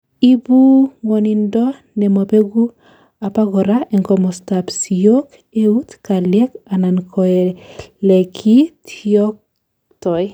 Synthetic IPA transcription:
i˦bu˦ŋɔ˨ni˨ndɔ˦ | nɛ˨mɔ˨pe˦ɡu˦ | a˨pa˦ɡɔ˨ɾaʔɛ˨ŋkɔ˨mɔ˨sta˨psi˨jo˦k | e˦u˦t̪ka˨ljɛ˦ka˨nankʰɔɛlɛ˨kʰi˦tʰiɔ˦k̚ | tɔ˨j

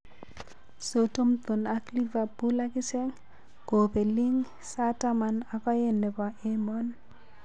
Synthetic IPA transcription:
so˨to˦mt̪o˨na˦kli˦va˨bu˦la˦kɪ˦sɛ˦ŋ | ko˨pe˨li˦ŋ | sa˦ta˦ma˨na˨kɔ˦jɛ˨nːɛ˨pa˨ʔe˦mɔ˦n

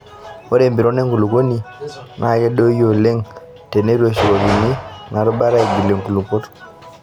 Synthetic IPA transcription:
o˦ɾe˨mbi˨ɾo˦ne˦ŋku˨lu˨ko˦ni˨nʔa˦˨kɛ˦ɗo˦jo˨le˦ŋ | te˨ne˦ɾo˨ʃi˨ko˨ɡi˨ni˦na˨ɾɔ˦ɓa˦ɾa˦˨ɡi˨le˨ŋku˨lu˨ko˦t

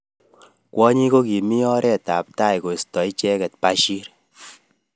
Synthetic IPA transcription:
kwɔ˦ɲi˦ko˦ki˨mi˦ɔ˦ɾɛ˦˨ta˨p̚ta˦˨jko˨stɔ˨i˦t͡ʃɛ˦kɛ˨t̚pa˦ʃi˦ɾ

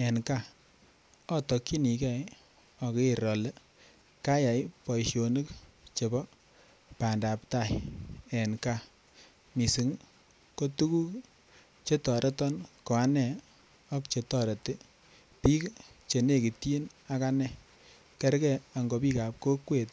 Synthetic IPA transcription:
ɛ˨nka˦˨ | ɔ˦tɔ˨ki˦ni˨kɛ˦˨j | ɔ˨ke˦˨ɾɔ˨lɛ˦ | ka˦ja˨jpɔ˨ʃjo˨nɨ˦kt͡ʃe˨bɔ˦ | pa˨nda˨pta˦˨jɛ˨nka˦˨ | mi˨si˨˦ŋ | ko˦tu˦ku˦ | t͡ʃe˦tɔ˨ɾʔɛ˦tɔ˦nko˨a˦nɛ˨ | ɔ˦kt͡ʃe˨tɔ˦ɾɛ˨te˦ | pi˦kt͡ʃe˨ne˦˨ki˨ti˦na˦ka˦nɛ˨ | kɛ˦ɾkɛ˦˨a˨ŋɡo˨˧pi˦ka˨p̚ko˦kwe˨t̚

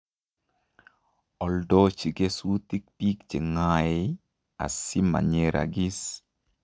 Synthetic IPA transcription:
ɔ˨ldɔ˦t͡ʃi˨ɡe˦su˦t̪i˦k̚pi˦kt͡ʃe˨ŋae | a̰˨si˦ma̰˨ɲe˨ɾʔa̰˨ɡi˦s

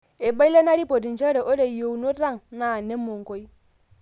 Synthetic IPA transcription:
e˨ba˦i˦la˦na˦ɾi˦po˨di˨nt͡ʃa˦ɾe˨ʔo˦de˨jo˨wu˨no˦ɾa˦ŋna˨ne˦mːo˨ŋ˨ko˦i˦

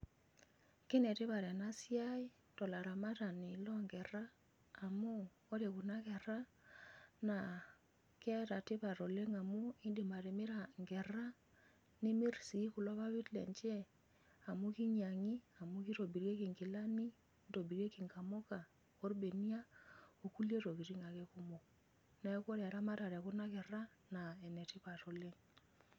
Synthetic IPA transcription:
kɪ˦nɛ˨tɪ˦βa˨ɾɛ˨na˦si˦a˦i˦ | tɔ˨la˨ɾa˨ma˦ta˨nɪ˨lɔ˦ŋɡɛ˨ɾaː˦˨ | mo˦ | o˦ɾe˨ku˨na˦kɛ˨ɾa˦ | na˨ | kɛ˦ta˨tɪ˦βa˨ɾo˨le˦ŋa˨mu˦i˦ndi˨ma˨ɾe˨mɪ˦ɾa˨ŋɡɛ˨ɾa˦ | ni˦mi˦ɾsi˨˦ku˨lɔ˦βa˦βi˦tlɛ̰˨nt͡ʃɛ˦ | a˨mu˦ki˦ɲa˨ŋi˦a˨mu˦ki˦ɾo˨bi˨ɾje˦ki˨ŋkɪ˨la˦ni˦ | do˨bi˨ɾe˦ki˨ŋka˨mo˦ka˨ | ko˦ɾbe˨ni˦a˦o˨ku˦lje˦to˨ki˨ɾi˦ŋa˨kɛ˦ku˦mo˨ | na˦ko˦ɾa˨ɾa˦ma˦ta˨ɾɛ˨ku˦na˦kɛ˨ra˦ | na˨ɛ˨nɛ˨tɪ˦pa˨to˨le˦ŋ

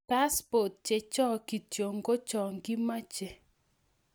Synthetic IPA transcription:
ka˦spɔ˨t̚t͡ʃe˨t͡ʃɔ˦ki˨tjo˨ŋɡo˦t͡ʃɔ˨ŋɡi˦ma˦t͡ʃe˨

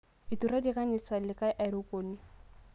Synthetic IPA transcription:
i˨tu˨ɾa˦dɪ˦ka˦ɲɪ˨sa˨lɪ˨ka˦ʔɛ˨ɾu˦ko˨ni˦

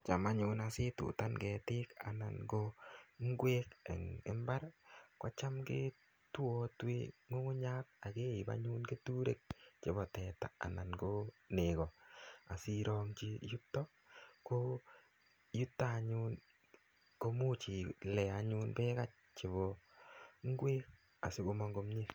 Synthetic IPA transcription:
t͡ʃa˨ma˦ɲʊ˧na˨sɪ˦tṵ˨ta˦nɡɛ˨tɪ˦ka̰˨na̰˨nɡo˦ŋ˦ɡwe˦kḛ˨ŋɪ̰˦mba˦ɾkwa˦t͡ʃa˦mke˦ | tu˦o˦twḛ˦ŋo˦ŋʊ˦ɲa˦k̚a˨ke˦i˨ba̰ɲu˦nke˦tu˦ɾe˨k̚t͡ʃɪ˨˦bɔ˨tɛ˨ta̰ː˨na˨nɡo˦ne˨kɔ˨a̰˨si˦ɾɔ˦ŋt͡ʃi˦ju˦p̚tɔ˦ | ko˦ | ju˦ptaː˦˨ɲu˦n | ko˦mu˦t͡ʃi˨lɛ˨a˨ɲu˦npɛ˦ka˦t͡ʃ̚t͡ʃe˨βo˨ | ŋ˦ɡwe˦k̚ | a̰˨sɪ˦ko˦ma˦ŋɡo˦mɲi˦f

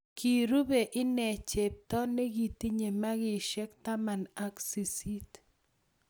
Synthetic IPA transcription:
kʰi˨ɾu˦be˨ʔɪ˦nɛ˨t͡ʃe˨p̚tɔ˦ne˦ɡi˨ti˦ɲe˨ma˦ɡɪ˨ʃɛ˦kta˦ma˨na˦ksi˨si˦t

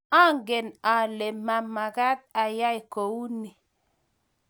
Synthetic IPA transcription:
a˦ŋɡe˨na˨le˨ma˨ma˨ɡa˦t̪̚a˨ja˦i˨ko˨wu˦ni˨

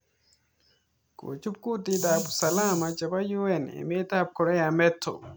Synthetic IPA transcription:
ko̰˨t͡ʃu˦p̚ku˦t̪i˦d̪a˨bu̥sɐ˨la˦ma˨t͡ʃɐ˨ba˦ju˦ɛ˨nḛ˨me˦t̪a˦p̚kɔɾɛ˦jamɛ˦t̪ʰːo̰

